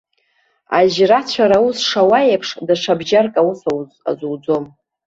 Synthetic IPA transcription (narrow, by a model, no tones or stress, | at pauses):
a̰ʒrat͡ɕʷʰaɾausʂawajapʰʂdaʂʰabʒarkʼausawza̰zwd͡zo̞m